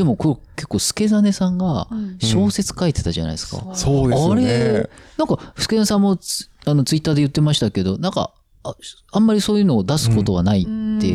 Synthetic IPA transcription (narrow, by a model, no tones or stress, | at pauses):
d̪̥e̞mo̞kooke̞kːo̞ːsɨ̥ke̞zane̞sãŋɡaɕo̞ːse̞t͡sɨ̥kaet̪e̞̥t̪aʑa̰na̰i̥sɨ̥ka̰soːd̪aɾe̞nãŋkaɸɯ̥ɨ̥ke̞esãmːo̞ano̞t͡sɨit̪ːaːd̪ejɯ̟t̪ːe̞maɕi̥t̪ake̞d̪o̞nãŋka̰ | ãmːaɾʲisoːjɯ̟ːno̞ːd̪asɨ̥ko̞t̪o̞βanait̪ːe̞